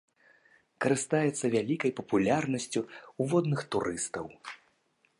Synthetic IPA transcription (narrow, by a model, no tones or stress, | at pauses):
kɐɾɨst̪ajɛt̪sːɐvʲalʲikɐjpɐpulʲarnɐsʲt͡sʲuuvɔd̪nɨxt̪uɾɨst̪ɐw